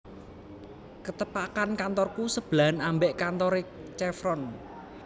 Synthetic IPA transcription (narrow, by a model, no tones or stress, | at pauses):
kət̪əpakankant̪ɔrkusəb̥lanambɛʔkant̪ɔɾet͡ʃɛfɾɔn